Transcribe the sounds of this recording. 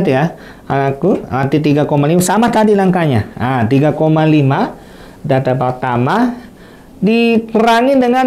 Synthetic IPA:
t̪uja | anakunant̪it̪̬iɡakomalimasamat̪adilaŋkaɲaat̪iɡakomalima | dat̪apərt̪ama | dipəɾaŋɪndəŋa

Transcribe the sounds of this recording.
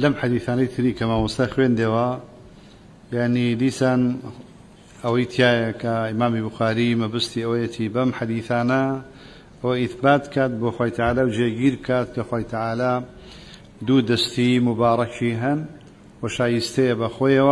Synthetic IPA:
lɐmħad̪iːθaːnɐjt̪ʰɨɾiːkʰɐmawʊst̪ɐxwend̪eːwɐ | jaʕnid̪iːsaːn | ɐwɐjt̪ʰijaːjɐkʰɐimaːmibʊxaːɾimɨbɐst̪iɐwɐjɛt̪ʰibɐmħad̪iːθaːnɐ | ɐwɐiθbaːt̪̚kʰaːt̪̚boːxwaːjt̪ʰaʕaːlaːwd͡ʒeɡiːɾb̚kʰaːt̪̚ːoxwaːjt̪ʰaʕaːlaː | d̪uːd̪ɐst̪imʊbaːɾˤɐt͡ʃiɦɐn | wɐʃaːjist̪ɐjɐbɐxoːjɐwɐ

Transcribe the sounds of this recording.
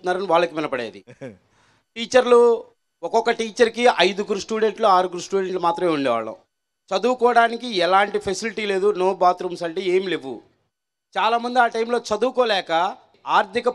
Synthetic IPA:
unːaːɾɐniʋaːɭːɐkiʋinɐpɐɽeːd̪i | ʈiːt͡ʃɐɾlu | ɔkɔkːɐʈiːt͡ʃɐɾkiʔɐjd̪uɡuɾusʈuːɖe̞ɳʈloaːɾuɡuɾusʈuːɖeɳʈlumaːt̪ɾɐme̞ːuɳɖeʋa̰ːɭːɐ̰ | t͡ʃɐd̪uːkɔːɐɽaːnikiɛlaːɳʈipʰesiliʈiːle̞ːd̪unoːbaːt̪ɾumsɐɳʈeeːmile̞ʋːṵ | t͡ʃaːlaːmɐnd̪iaːʈɐjmlo̞ːt͡ʃɐd̪uːkoːlɛːkɐ | aːɾt̪ikɐ

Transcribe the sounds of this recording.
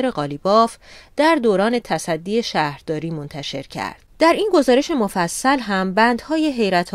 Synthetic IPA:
eɾe̞ɣɒːlibɒːfd̪̥æɾd̪oːɾɒːne̞t̪ʰæsæd̪ːiːeʃæːhɾd̪ɒːɾiːmo̞nt̪ʰæʃe̞̰ɾcʰæ̰ɾd̪̥d̪̥æɾinɡo̞zɒːɾe̞ʃe̞mo̞fæsːælɦæmbænd̪hɒːje̞ɦe̞jɾæt̪ʰ

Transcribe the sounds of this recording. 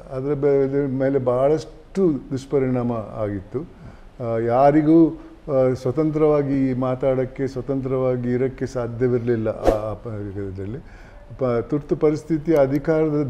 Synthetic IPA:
ɐd̪ɐɾɐbd̪ɐmeːle̞bɐːɐɭɐʂ | ʈud̪uʂɐ̥pɐɾiɳaːmɐa̰ːɡit̪ːu | jaːɾiɡuː | sʋɐt̪ɐnt̪ɾɐʋaːɡimaːt̪aːɽɐkːe̞sʋɐt̪ɐnt̪ɾɐʋaːɡiːɾɐkːe̞saːd̪ʱjɐʋiɾɐlilːɐ̰ʔːɡɐt̪ʰɛd̪ɐlːi | t̪uɾt̪upɐɾist̪ʰit̪ijɐːd̪ʱikaːɾɐd̪ɐ

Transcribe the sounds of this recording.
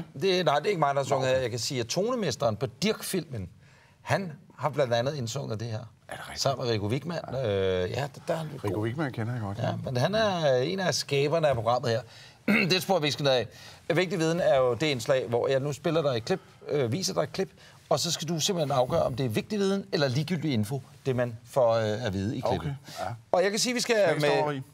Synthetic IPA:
d̥e̝nɑ̈ɪd̥e̝ɐe̝ɡəmɑ̈ɪd̥ɑhsɔ̽ŋ̰ð̩ˠeɐ̰jɑ̈ɪkʰæsiːæt͡sʰo̝ːnəmesd̥ɐːnpʰɒ̽d̥iɐɡ̥fil̰mən | hænhɑ̈b̥lænd̥ænð̩ˠensɔ̽ŋ̰ð̩ˠd̥e̝ɦeɐ̰ | sɑ̈m̰nmeʁiɡ̥oʋiɡ̥mæn̰øjæd̥d̥æhæniɡ̥mænkʰenɐjaɡ̥ɔd̥jæmenɦænæɐe̝̰næsɡ̥ɛːb̥ɐnəæpʰʁo̝ɡ̥ʁɑ̈m̰ð̩ˠheɐ̰ | d̥esb̥oɐ̰ʋi̥sɡ̥ənoð̩ˠɛʋe̝ɡ̥d̥iʋið̞ˠn̩æɐjo̝d̥e̝enslɛ̰ɪʋɒ̰jɑ̈ɪnusb̥e̝lɐd̥ɑ̈ɪe̥kʰle̝b̥øʋḭːsɐd̥ɑ̈ɪ̥kʰle̝b̥ | ɒ̽sɒ̽sɡ̥æd̥use̝mb̥l̩he̝nɑ̈ʊɡ̥ɶ̰ɐɒ̽md̥e̝æɐʋe̝ɡ̥̚d̥iʋiːð̞ˠn̩elɐliːɡ̥yl̰d̥ie̝nfo̝d̥e̝mænfɒøæʋiːð̞ˠəikʰleb̥n̩ɒ̽jɑ̈ɪkʰæsiːʋisɡ̥æme

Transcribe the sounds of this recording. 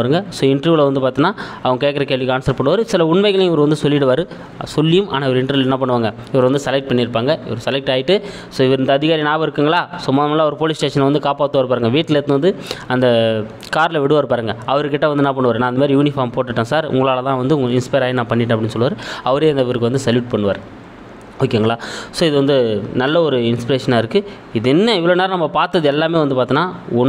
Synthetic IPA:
ɾɯŋɡɐsoːɪɳʈɐɾʋlɐʋɐnd̪ɯpaːɾt̪ɯnːaːɐʋɐŋɡɐkeːʈkɐɾɐkeːlʋikaːnsɐɾpɐɳːɯʋaːɾɯsɪlɐʊɳmɐɪɣɐlẽɪʋɐɾɯʋɐnd̪ɯsɔlːɪʈːɯʋaːɾɯ | sɔlːɪjɯmʔa̰ːnaːɪʋɐɾɯɪɳʈɐɾʋlɛnːɐp̬ɐɳːɯʋaːŋɡɐ | ɪʋɐɾʋɐnd̪ɯsɛlɐk̚ʈ̚pɐɳːɪɾɯpːaːŋɡɐɪ̰ʋɐɾɯsɛlɐk̚ʈaːjɪʈːɯ | soːɪʋɐɾɪnd̪ɐðɪɣaːɾinaːbɐɪɾɯkːɯːŋɡɐɭaːsʊmaːðɐmaːlaːʋɐɾɯpoːlɪsʈeːʂɐnlʋɐnd̪ɯkaːpaːt̪ːɯʋaːɾɯpaːɾɯŋɡɐʋiːʈːleːɾt̪ːnʋɐnd̪ɯɐnd̪ɐ | kaːɾlɐʋɪɽɯʋaːɾɯpaːɾɯŋɡɐɐʋɐɾɯkːɪʈːɐʋɐnd̪ɯnaːp̬ɐɳːɯʋaːɾɯnːaːɪnd̪ɐmaːɾijuːnɪfaːɾmpoːʈːɯʈːõːsaːɾʊ̰ŋɡɐɭaːɭɐt̪ãːʋɐnd̪ɯʊŋɡɐɭɪnspɐjɾaːjnãːpɐɳːɪʈːɐ̃ɐpːɐɽɪnːɯsɔlːɯʋaːɾɯɐʋɐɾeːɐnd̪ɐʋiːɾɯkːɯʋɐnd̪ɯsɐljuːʈ̚pɐɳːɯʋaːɾ | oːkːeːŋɡɐɭaːsoːɪðɯʋɐnd̪ɯnɐlːɐɔɾɯɪnspɪɾeːʂɐnaːɪɾɯkːɯ | ɪðɯɛnːɐɪʋɐɭoːnaːɾɐnɐmːɐpaːɾt̪ːɐðɯɛlːaːmeːʋɐnd̪ɯpaːɾt̪ɯnːãːɔn

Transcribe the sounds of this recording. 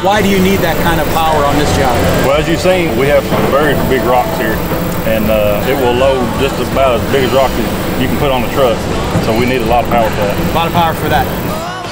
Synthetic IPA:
waɪɾɨjɨnid̪̚ðɨt̚kʰãɪ̃ndʌv̥pʰaʊə˞ə̃nðɪsʒ̥ɑbwɛlˠɨzjɨ̥sĩ | wiɨvvɛɹibɪɡɹɑkshiɹ | ɨ̃nʌɪt̚wɪlˠloʊ | d͡ʒʌstəbaʊɾəbɪɡɨst̚ɹɑksɨz | jɨkn̩pʰʊɾn̩ðətʰɹ̥ʌk | soʊwiniɾəlɔɾʌv̥pʰaʊə˞fə˞ðtəlɑɾʌv̥pʰaʊə˞fə˞ðæt̚

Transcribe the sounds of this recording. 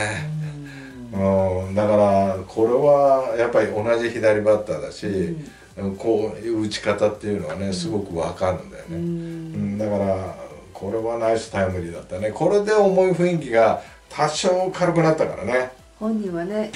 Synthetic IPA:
e | ɯ̃d̪akaɾakʰo̞ɾe̞βajapːaɾʲio̞naʑiçid̪aɾʲibat̪ːad̪aɕi | ɯ̃kʰo̞ːjɯɯt͡ɕi̥kat̪at̪ːe̞jɯ̟no̞βane̞sɨɡo̞kɯ̟βakaɾɯd̪a̰jo̰ne̞ɯ̟̃ɴd̪akaɾakʰo̞ɾe̞βanaisɨ̥t̪aemɯ̟ɾʲid̪at̪ːane̞kʰo̞ɾe̞d̪e̞omo̞iɸɯ̟ĩŋk̬ʲiɡa | t̪ʰaɕoːkʰaɾokɯ̟nat̪ːakaɾa̰ne̞ | hõɲːĩβane

